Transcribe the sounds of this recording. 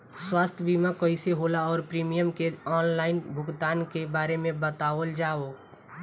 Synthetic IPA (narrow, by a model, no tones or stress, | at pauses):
swaːst̪ʰjəbimakəɪseɦolaɔːɾpɾiːmijəmkeɔːnlaːɪnbʱʊɡt̪aːnkebaːɾemẽbət̪aːʋəld͡ʒaːo